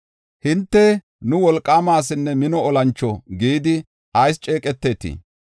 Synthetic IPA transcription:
hɪnt̪ːɛ | nʊwɔlkʼːaːmaːs̬ɪnːɛmɪnɔɔlɐnt͡ʃːɔɡiːd̪ɪ | ɐjst͡ʃʼe̞ːkʼɛt̪ːeːt̪ḭ

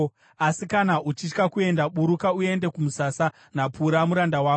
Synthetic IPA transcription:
asikanaʔut͡ʃit͡ʃkakue̞ndaɓuɾukaue̞nde̞kumusasa | napuɾamuɾandawaː

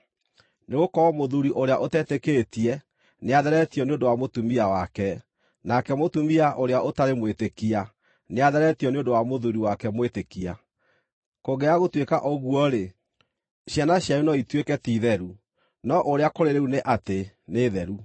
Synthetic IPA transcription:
neɣokɔɔmoðuɾiʔoɾeaʔotɛtekeːtiɛ | neaðɛɾɛtiɔneondowamotumiawakɛ | nakɛmotumiaʔoɾeaʔotaɾemwetekia | neaðɛɾɛtiɔneondowamoðuɾiwakɛmwetekia | koɣɛaɣotwekaʔɔɣwɔɾe | ɕjanaɕjaunɔitwekɛtiðɛɾu | nɔʔoɾeakoɾeɾeuneʔate | neːðɛɾu

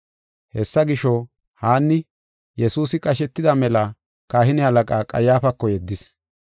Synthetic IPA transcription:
hɛsːɐɡɪʃɔ | haːnːɪ | jɛsuːsɪkʼɐʃɛt̪ːɪd̪ɐmɛlɐ | kaːhɪnɪhɐlɐkʼaːkʼɐ̰jːaːfɐkːɔjɛd̪ːɪs

